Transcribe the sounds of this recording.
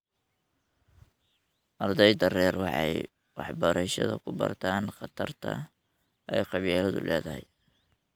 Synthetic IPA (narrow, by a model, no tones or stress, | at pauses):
ʔɐrd̪ɛjd̪ɐrɛːrwɑħɑj | wɑ̰ħbɐɾɛʃɐ̰ðɐkʰʊbɐ̰rt̪ʰaːnqɑt̪ʰɐrt̪ʰɐ̰ | ʔɛjqɑβilɐðʊ̰lʔɛːðɐɦɛj